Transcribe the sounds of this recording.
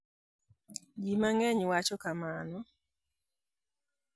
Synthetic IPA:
d͡ʒimaŋɛɲwat͡ʃɔkamanɔ

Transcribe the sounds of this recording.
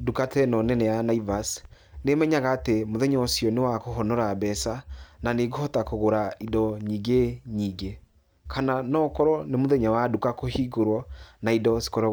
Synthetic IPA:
dukatɛnɔnɛnɛjanaivas | nemɛɲaɣaːtemoðɛɲɔosiɔnewakoɦɔnɔɾabɛsananeɡohɔtakoɣoɾaidɔɲiːɡeɲiːɡe | kʰananɔːkɔɾɔnemoðeɲawadukakohiɡoɾwɔnaidɔsi̥kɔɾ

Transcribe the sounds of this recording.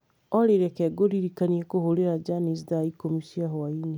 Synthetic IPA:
ɔɾeɾekɛɡoɾiɾikaniekohoɾeɾad͡ʒanisdaikomisiaɦoaini

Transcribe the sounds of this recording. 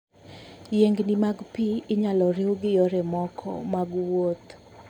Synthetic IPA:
jeŋɡnimaɡpiːɲalɔɾewɡɪjoɾɛmɔkʰɔ̰maɡwot̪

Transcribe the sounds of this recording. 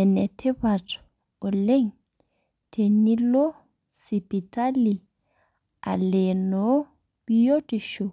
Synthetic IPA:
ɛnɛtʰɛbat | ɔlɛŋ | tʰenilɔ | sipitali | ʔa̰lɛnɔ | bijotiʃɔ

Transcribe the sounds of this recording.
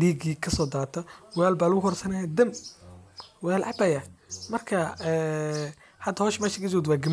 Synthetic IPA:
ɖiːɡiːkʰɐsɔːd̪aːt̪ʰɐwlaːlbaːlʊɣʊhʰɔrsɐnɐjad̪ɐm | walʕɑ̰bɐjɐmɐrkʰɐɛː | hɐd̪ɐhɔːʃmɛːʃɪkʰɐd͡ʒɔd̪waːɡɐm

